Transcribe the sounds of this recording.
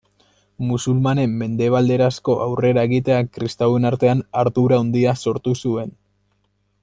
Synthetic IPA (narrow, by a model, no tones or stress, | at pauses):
musulmane̞mːe̞nd̪e̞β̞ald̪e̞ɾasko̞ʔawre̞ɾaeɣit̪e̞akɾist̪awe̞naɾt̪e̞anaɾðuɾaond̪iaso̞ɾt̪usue̞n